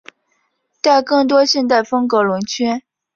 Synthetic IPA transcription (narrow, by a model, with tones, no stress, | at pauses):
t̪a˥˧ɪkɤ˥˩ŋt̪̬wɔ˥ɕjɛ˥˧nt̪̬a˥˩ɪfɤ˥ŋkɤ˧˥lʊ˧˥ŋt͡ɕʰɥɛ˥n